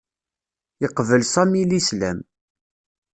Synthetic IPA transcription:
jəqvəlsɑmilislæm

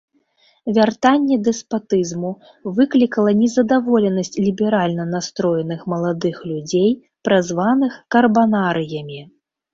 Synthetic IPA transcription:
vʲart̪anʲːɛd̪ɛspat̪ɨzmu | vɨklʲikɐlˠɐnʲɛzɐd̪avɔlʲɛnɐsʲt͡sʲlʲibʲɛɾalʲnɐnast̪ɾɔjɛnɨxmɐlˠad̪ɨxlʲud͡zʲej | pɾazvanɨxkɐrbanaɾɨjɐmʲi

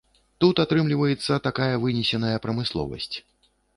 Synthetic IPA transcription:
t̪ut̪at̪ɾɨmlʲivɐjɛt̪sːɐt̪akajɐvɨnʲɛsʲɛnɐjɐpɾɐmɨslˠɔ̰vɐ̰sʲt͡sʲ

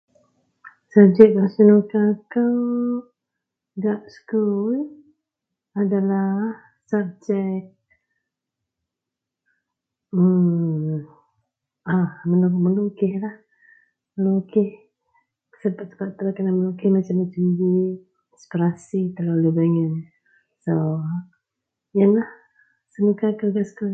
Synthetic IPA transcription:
sab̚d͡ʒɛʔbasənokakaw | ɡaʔskul | adalah | sap̚d͡ʒɛk̚ | ə | ahmənumənukɪhlah | məlukɪh | səpat̪̚sə̥paʔt̪əlakanamənukɪhmat͡ʃamːat͡ʃamdi | ispiɾasit̪əlalubaŋən | so | janlah | səməkakərɡaʔsku

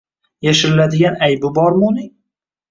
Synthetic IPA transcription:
jaʃɪɾɪlad̪ɪɡʲanajbɪbɒɾmʊnɪŋ

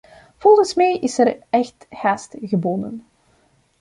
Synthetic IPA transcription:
v̥ɔlˠɣənsmɛjʔɪsɛrɛxthaːstɣəbɔndən

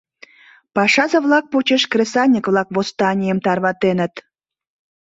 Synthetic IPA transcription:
pɑʃɑzə̆βlɑk̚pot͡ɕeʃkresɑnʲikvlˠɑkβost̪ɑnʲijəmt̪ɑrβɑt̪enət̪

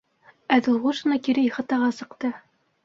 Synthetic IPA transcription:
æðɘ̆lˠʁuʃɤ̆nɑkiɾɘiχɤ̆t̪ɑʁɑsɤ̆qt̪ɤ

